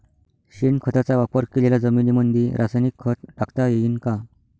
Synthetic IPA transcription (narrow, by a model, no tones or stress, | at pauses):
ɕinkʰət̪at͡saʋapəɾkelelad͡zəmilimənd̪ʱeɾʔasajnikʰːət̪̚ʈakt̪ajejiːnka